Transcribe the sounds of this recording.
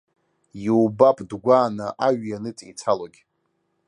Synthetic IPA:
jiwbapʼdɡʷaːnaʔaɥjanɨt͡sʼḭt͡sʰaloɡʲ

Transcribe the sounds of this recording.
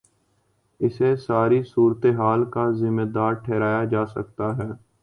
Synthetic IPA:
ɪsesaːɾisuːɾət̪eɦaːlkazɪmːeːd̪aːɾʈʰɛːɾaːjad͡ʒaːsɐ̰k̚t̪aɦɛː

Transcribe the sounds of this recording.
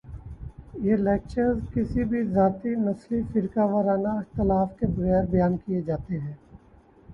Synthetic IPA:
jelɛːk̚t͡ʃəɾzkɪsibʱizaːt̪inɐslifɪɾkaːʋəɾaːnaɪxt̪ɪlaːfkebɐɣɛːɾbɐjaːnkijed͡ʒaːt̪eɦɛ̃ː

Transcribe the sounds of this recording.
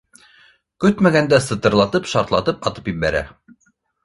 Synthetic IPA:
kɵt̪mæɡænd̪æsɤ̆t̪ɤ̆ɾlˠɑt̪ɤpʃɑɾt̪lˠɑ̰t̪ɤpɑt̪ɤ̥pjibæɾæ̰

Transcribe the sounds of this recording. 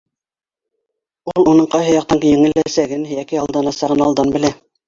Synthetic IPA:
ulˠunɤɴqɑjɦɤjɑq̚t̪ɑŋkjɘ̆ŋɘ̆læsæɡɘnɦɘ̆jækɘɑlˠd̪ɑnɑsɑʁɤnɑlˠd̪ɑnbɘ̆læ

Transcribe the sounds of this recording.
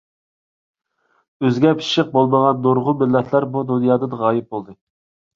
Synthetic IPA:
øzɡʲɛpʰi̥ʃɪq̚bolˠməʁɑnd̪oɾʁʊmɪlːɛt̪ʰlˠɑɾbud̪unjɑːd̪ɨd̪əʁɑːjɪp̚bolˠd̪ɨ

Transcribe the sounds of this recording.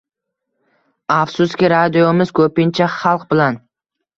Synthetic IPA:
afsʊskʲɪɾad̪iomɪz̥kʰɵpɪnt͡ʃʰaχɑlˠq̚bɪlan

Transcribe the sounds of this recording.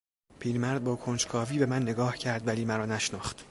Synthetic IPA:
pʰiːɾmæɾd̪̚bɒːkʰond͡ʒkʰɒːviːbe̞mænːe̞ɡɒːhcʰæɾd̪væliːmæɾɒːnæʃnɒːχt̪

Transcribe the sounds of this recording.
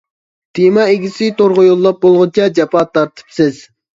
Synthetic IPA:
t̪ʰimɑeɡʲisɪt̪oɾʁʊjolˠːɑp̚bolˠʁʊnt͡ʃʰɑd͡ʒɑpɑt̪ːɑɾt̪ʰɨ̥psɪz̥

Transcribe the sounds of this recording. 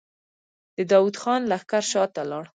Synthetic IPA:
d̪̥əd̪ɑwud̪xɑnlaxkaɾʃɑt̪alɑɽ

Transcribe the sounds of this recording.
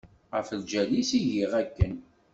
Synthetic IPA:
ʁəfəld͡ʒælisiʝiʁækːən

